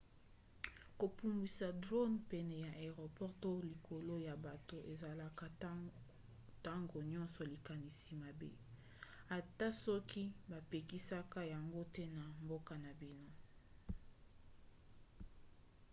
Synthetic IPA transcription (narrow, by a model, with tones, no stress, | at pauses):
ko˨pu˨mbi˨sa˨dʁo˦npɛ˦nɛ˨ja˨ʔe˨ʁo˨pɔ˦ʁto˦li˨kʰo˨lo˦ja˨ba˨to˨ʔe˨za˨la˨ka˦ | ta˦ŋɡo˨ɲɔ̃˦nsɔ˨li˨ka˨ni˨si˨ma˨bḛ˦ | a˨ta˦sɔ˦ki˦ba˨pe˨ki˦sa˦ka˦ja˨ŋɡo˦tɛ˦na˨mbo˦ka˨na˨bi˦no˦